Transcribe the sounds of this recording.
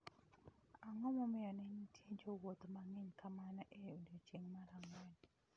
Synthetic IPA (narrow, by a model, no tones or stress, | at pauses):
aŋɔmɔmɪɔnɪnitʰjed͡ʒowot̪maŋɪɲkamanɔʔeodot͡ʃeŋmaɾamɔn